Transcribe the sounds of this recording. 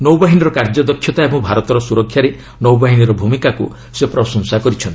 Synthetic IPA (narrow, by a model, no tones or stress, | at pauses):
nowbaɦiniɾɔkaɾd͡ʒɔd̪ɔkʰːjɔt̪aebɔ̃ŋbʱaɾɔt̪ɔɾɔsuɾɔkʰjaɾe | nowbaɦiniɾɔbʱumikaku | sepɾɔsɔnsakɔɾit͡ʃʰɔnt̪